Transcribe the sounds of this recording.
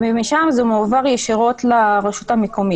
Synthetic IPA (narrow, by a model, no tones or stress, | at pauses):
bimiʃamzumeːvaʁjeʃiʁot̪laʁeʃutamekomi